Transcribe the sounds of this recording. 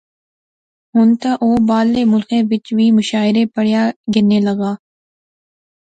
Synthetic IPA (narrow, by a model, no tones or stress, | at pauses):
ɦʊnt̪aʔoːbaːlːeːmʊlkẽʋɪt͡ʃʋiːmʊʃaːɪɾeːpəɽjaːɡɪɾneːləɡaː